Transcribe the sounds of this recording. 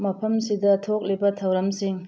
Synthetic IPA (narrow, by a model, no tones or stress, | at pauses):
mɐpʰɐmsidɐtʰok̚libɐtʰɐwɾɐmsiŋ